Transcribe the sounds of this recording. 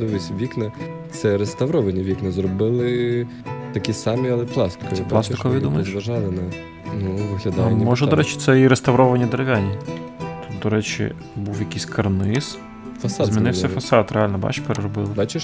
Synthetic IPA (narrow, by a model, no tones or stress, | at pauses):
d̪ɔʋʲisʲʋʲiknɐ | t̪sɛɾest̪ɐʋɾɔʋɐnʲɐʋʲiknɐzɾɔbɪlˠɪ | t̪ɐkʲisɑmʲiɐlˠɛplˠɑst̪ɪ̥kɔp̪lˠɑsɪkɔʋʲid̪umɐjʃʋɐʒɑlˠɪnɛ | nuʋɪɦlʲɐd̪mmɔʒɛd̪ɔɾɛt͡ʃɪ̥t̪sɛiɾest̪ɐʋɾɔʋɐnʲɐd̪eɾeʋʲanʲit̪ut̪̚d̪ɔɾɛt͡ʃḭ | buwjɐkʲisʲkʰɐrnɪs | fɐsɑzmʲinɪwsʲɐfɐsɑt̪ɾealʲnɐbɑ̰t͡ʃpeɾeɾɔbɪlˠɪbat͡ʃɪʃ